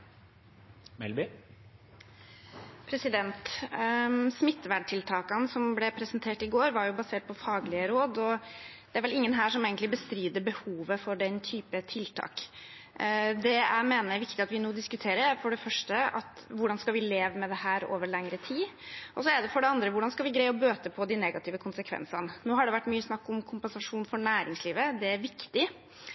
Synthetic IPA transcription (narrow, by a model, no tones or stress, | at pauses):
mɛ̰lbɪ | pʰɾɛsɪd̪ɛnt̪ | smɪt̪ːʋæɖʈʰɪlt̪ʰɑːkɑnəsɔmblɛpʰɾɛsənt̪ʰeːʈɪɡoːɾʋɑɾjʊbɑseːʈ̚pʰɔfɑːɡlɪəɾoːd̪ɔd̪̥ɛæɾʋɛlɪŋːənɦæːʂɔmeːɡənt̪lɪbəst̪ɾyːd̪əbəhuːʋəfɔɖɛnt̪ʰyːpət̪ʰɪlt̪ʰɑ̰ːk | d̪ɛæmeːnəæʋɪkt̪ɪɑt̪ʋɪnuːd̪ɪskʉt̪ʰeːɾəɾfɔɖɛfœʂʈəɑ̰t̪ʋʊɖɑnskɑʋɪleːʋəmɛd̪ɛhæːɾo̰ːʋəɭɛŋɾət̪ʰiːʔɔs̬ɔæɖɛfɔɖɛɑnd̪ɾəʋʊɖɑnskɑlʋɪɡɾæɪɔbøːt̪əpʰɔd̪ɪnɛɡɑt̪ʰɪːʋəkʰʊnsəkʰʋɛ̰nsənənoːɦɑɖɛʋæʈːmyːəsnɑkːɔmkʰʊmpɛnsɑʂuːnfɔɳæːɾɪŋsliːʋəd̪ɛæɾʋɪkt̪ɪ